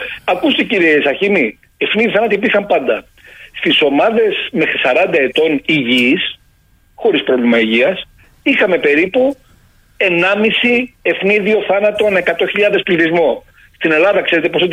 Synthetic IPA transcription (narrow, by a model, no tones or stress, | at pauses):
ɐkust̪iciɾiesɐçini | e̞fniðiθɐnɐt̪ipiɾxɐmpɐnd̪ɐ | st̪iso̞mɐðe̞sme̞xɾisɐɾɐnd̪ɐe̞t̪o̞niʝis | xo̞ɾispɾo̞vlimɐiʝiɐs | ixɐme̞pe̞ɾipu | e̞nɐmisie̞fniðio̞θɐnɐt̪o̞ne̞kɐt̪o̞çiʎɐðe̞spliθizmo | st̪ine̞lɐðɐkse̞ɾe̞t̪e̞poe